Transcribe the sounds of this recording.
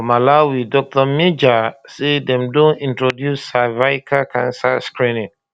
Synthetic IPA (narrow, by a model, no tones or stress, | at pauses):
malawidɔk̚tɔmed͡ʒasedɛ̃mdõnĩntɹodjusavaɪkʰakʰãnsaskɹĩnĩŋ